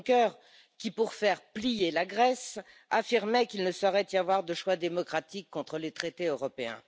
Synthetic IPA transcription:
kœʁ | kʲipuʁfɛʁplijelaɡʁɛs | afiʁmɛkilnəsɔʁɛt̪javwaʁd̪əʃwad̪emɔkχat̪ikːɔ̃t̪χəlet̪χet̪eøʁɔpeɛ̰̃

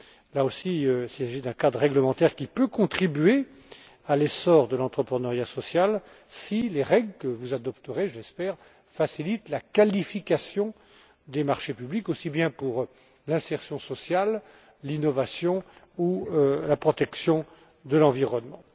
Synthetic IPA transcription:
laosiøsisaʒid̪ɛ̃kad̪ʁʁɛɡləmɑ̃t̪ɛʁkʲipøkɔ̃t̪χibɥe | alɛsɔʁd̪əlɑ̃t̪χəpχənəʁjasɔsjal | sileʁɛɡlkəvuzad̪ɔpt̪əʁeʒəlɛspɛːʁ | fasilit̪lakalifikasjɔ̃ | d̪emaʁʃepyblikosibjɛ̃puʁ | lɛ̃sɛʁsjɔ̃sɔsjal | linɔvasjɔ̃ | ulapχɔt̪ɛksjɔ̃ | d̪əlɑ̃viʁɔnmɑ̃

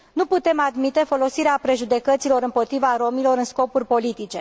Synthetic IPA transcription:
nuput̪e̞mad̪mit̪e̞fo̞lo̞siɾeapɾe̞ʒud̪e̞kət̪silo̞ɾɨmpo̞t̪ɾivaɾo̞milo̞ɾɨnsko̞purʲpo̞lit̪it͡ʃe̞

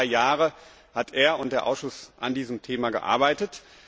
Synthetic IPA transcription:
ɪjaːʁə | hatʰʔeːɐʊnt̚d̥eːɐʔaʊsʃʊsʔa̰ndiːzəmtʰeːmaɡə̰ʔa̰ːɐbaɪtət

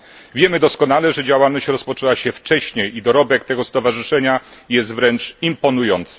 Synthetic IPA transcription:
vʲjɛmɘd̪ɔskɔnalɛʐɛd͡ʑawalnɔɕt͡ɕɾɔspɔt͡ʂɛwaɕɛft͡ʂɛɕɲejid̪ɔɾɔbɛkt̪ɛɡɔst̪ɔvaʐɘʂɛɲajɛst̪vɾɛnt͡ʂimpɔnujɔnt̪s

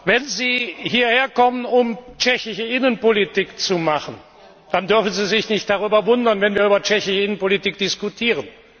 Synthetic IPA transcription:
vɛnziːhiːɐheːɐkɔmənʊmt͡ʃɛçɪʃəɪnənpolitiːkt͡sumaχən | d̥andʏɐfn̩ziːzɪçnɪçt̚d̥aʁyːbɐvʊndɐnvɛnviːɐyːbɐt͡ʃɛçɪçəɪnənpolitiːk̚d̥ɪskutʰiːʁ̞ən

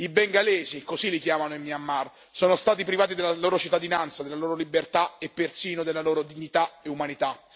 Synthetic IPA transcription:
ibeŋɡalɛːzikozilːikjaːmanoimːiamːar | soːnost̪aːt̪ipɾivaːt̪id̪elːaloːɾot͡ʃit̪ːad̪inant̪sad̪elaloːɾolibert̪aepːersiːnod̪elːaloːɾod̪iɲːit̪aeumanit̪a

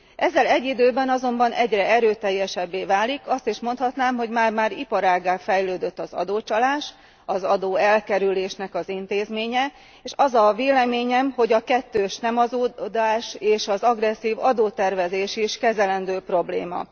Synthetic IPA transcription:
ʔɛzːɛlɛɟːid̪øːbɛnɒzo̞mbɒnʔɛɟrɛɛɾøːt̪ɛjːɛʃɛbːeːvaːlikɒst̪iʃmo̞nt̪hɒt̪naːmɦo̞ɟmaːrmaːɾipɒɾaːɡːaːfɛjløːd̪øt̪ːɒzɒ̰d̪oːt͡ʃɒlaːʃ | ɒzɒd̪oːɛlkɛɾyleːʃnɛkɒzint̪eːzmeːɲɛ | eːʃɒzɒveːlɛmeːɲɛmho̞ɟɒkɛt̪ːøːʃnɛmɒzoːd̪aːʃeːʃɒzɒɡrɛsːiːvɒd̪oːt̪ɛrvɛzeːʃiʃkɛzɛlɛnd̪øːpro̞blḛːmɒ̰

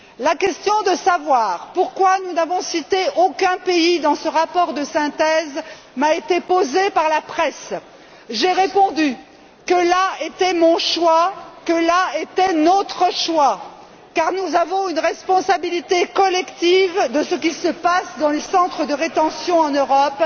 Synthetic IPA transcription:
lakʲɛst̪jɔ̃d̪əsavwaːʁpuʁkwanunavɔ̃sit̪eʔokʲɛ̃peid̪ɑ̃səʁapɔʁd̪əsɛ̃t̪ɛz | maet̪epozepaʁlapχɛs | ʒeʁepɔ̃d̪y | kəlaet̪ɛmɔ̃ʃwakəlaet̪ɛnɔt̪χəʃwa | kaʁnuzavɔ̃ynʁɛspɔ̃sabilit̪ekɔlɛkt̪ivd̪əsəkʲisəpasd̪ɑ̃lesɑ̃t̪χəd̪əʁet̪ɑ̃sjɔ̃ɑ̃nøʁɔp

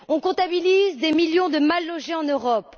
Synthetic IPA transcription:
ɔ̃kɔ̃t̪abilizd̪emiljɔ̃d̪əmalːɔʒeɑ̃nøʁɔp

